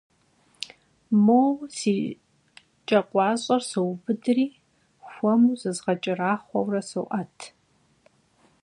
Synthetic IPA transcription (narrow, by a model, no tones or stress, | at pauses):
mowsiː | t͡ʃʼɐqʷʼɑːɕʼɐrsɨwbɨdɨriː | xʷɔmuzɨzʁɐt͡ʃʼɪraːχʷɔ̰wrɐsɨwʔɐtʰ